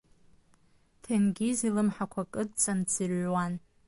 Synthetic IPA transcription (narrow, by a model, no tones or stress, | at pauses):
tʰenɡʲizilɨmħakʷʰakʼɨdt͡sʼant͡sʰirwan